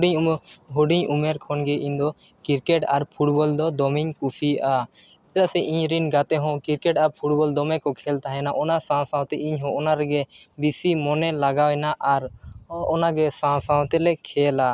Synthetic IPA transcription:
ɖiɲuɦoɖiɲumɛɾkʰɔnɡɛʔiɲd̪ɔ | kiɾkɛʈaɾpʰuʈbɔld̪ɔd̪ɔmiɲkusʰiʔa | ɛt̪aʔsɛʔiɲɾinɡat̪ɛɦɔ̃kiɾkɛʈaɾpʰuʈ̚bɔld̪ɔmɛkɔkʰɛlt̪aɦɛnaʔɔnasãw̃sãw̃t̪ɛʔiɲɦɔ̃ʔɔnaɾɛɡɛbisimɔnɛlaɡawɛnaʔaɾɔnaɡɛsãw̃sãw̃t̪ɛlɛkʰɛla

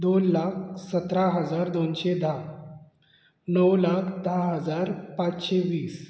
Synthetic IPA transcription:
d̪onlakʰsət̪ɾaɦəd͡zaɾd̪onɕed̪ʱa | nəwlakʰd̪aɦəd͡zaɾpat͡sɕeʋiːs

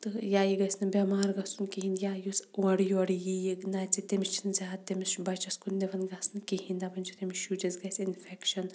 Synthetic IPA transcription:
t̪ɨjaːjiɡɐsnɐbʲɐmaːɾɡɐsunkiɦinjajusuɐɽjuɐɽjijiɡnaːt͡sit̪emist͡ʃʰinzʲaːt̪ːemisbɐt͡ʃɐskunːeʋɐnɡɐsnɨkiɦinʲd̪abɐnʲd͡ʒʰit̪emiʃjud͡ʒɐzɡɐsʲinfɛkʃɐn

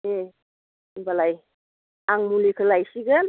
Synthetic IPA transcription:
e | balaj | aŋmulikʰəlajsiɡan

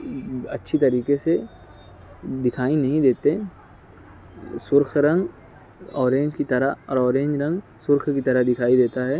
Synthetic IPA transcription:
ɐtːʃʰit̪ɐɾiːkese | d̪ɪkʰaːinɐɦĩd̪eːt̪e | sʊɾkʰɾɐ̃ŋɡ | ɔːɾẽːɲd͡ʒkit̪ɐɾaɔːɾɔːɾẽːɲd͡ʒɾɐ̃ŋɡ | sʊɾkʰkit̪ɐɾəd̪ɪkʰaːid̪eːt̪aɦɛː

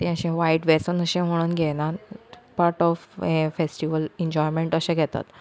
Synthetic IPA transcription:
t̪ẽəɕẽʋaiʈʋesənəɕẽɦoɽ̃ənɡʱɛnapaɾʈɔfefesʈiʋəlɛ̃ɲd͡ʑɔjmẽɳʈəɕẽɡʱɛt̪a̰t̪

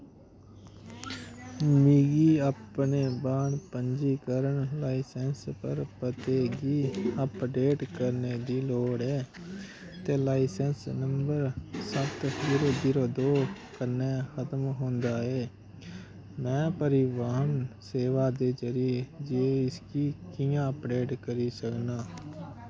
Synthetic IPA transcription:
miɡiːəpneːbaːɳpəɲd͡ʒiːkəɾəɳlaːisɛnspəɾpət̪eːɡiːəpɖeːʈkəɾneːd̪iːloːɽɛː | t̪eːlaːɪsɛnsnəmbəɾsət̪iːɾoːd̪iːɾoːd̪oː | kənːɛːxət̪əmɦõnd̪aːɛː | mɛ̃ːpəɾɪʋaːnseːʋaːd̪eːd͡ʒəɾid͡ʒeːɪskiːkɪjãːəpɖeːʈkəɾiːsəknaː

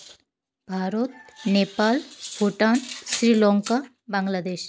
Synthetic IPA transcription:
bʱaɾot̪̚nepalbʱuʈansɾilɔŋka | baŋɡlad̪eɕ

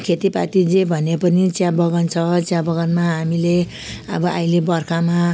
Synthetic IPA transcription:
kʰet̪ipa̰t̪id͡zebʱʌnepʌnit͡sjãbʌɡʌnt͡sʰʌt͡sjãbʌɡʌnmaɦamile | ʌ̰bʌʔa̰ilebʌrkʰama

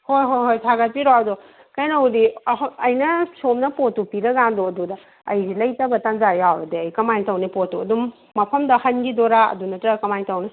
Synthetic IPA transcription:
hojɦojɦojtʰaɡɐt̚piɾoɐdo | kɐjnɐwdiɦːjnɐsomnɐpotupiɾɐɡandoɐdudɐ | ɐjzilɐjtɐbɐtanzajawbɐdeɐjkɐmajntɐwnipotuɐdumː | ɐpʰɐmdɐhɐnɡidoɾaɐ̰dunɐtɾɐkɐmajntɐwni

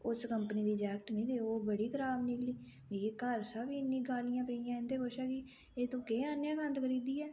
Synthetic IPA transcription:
ʊskəmpəniːd̪iːd͡ʒɛːkʈnĩːd̪eːoːbəɽiːkʰəɾaːbnɪkliː | d͡ʒeːkəɾsabiːɪnːĩːɡaːlɪjãːpɾijãːɪ̃nd̪eːkoːʃaːkiː | eːt̪õːkeːaːnjãːkənd̪kʰəɾiːd̪iːɛː

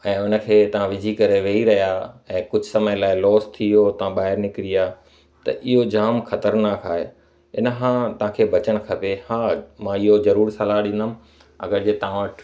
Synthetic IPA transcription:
ɛ̃ːʊnə̆kʰeːt̪ɐʋ̤ãʋɪd͡ʑʱikɐɾeʋeːiɾɐɦjaːɛ̃ːkʊd͡ʑʱsɐməjlaːɪlɔːst̪ʰiot̪ɐʋ̤ãɓaːɦɪɾnɪkɪɾiaː | t̪ɐ̰ʔɪɦod͡ʑaːmxʰɐt̪əɾnaːkʰaːɦe | ɪnəɦãːt̪ɐʋ̤ãkʰeːbɐt͡ɕəɽ̃kʰɐpehãːmãɪɦozɐɾuːɾsɐlaɗɪ̃nd̪əm | ɐ̰ɡəɾd͡ʑeːt̪ɐãʋəʈʰ

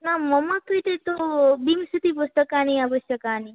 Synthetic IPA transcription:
naməmək̪ːut̪et̪obimsut̪ipʊst̪əkaːniabəst̪əkaːni

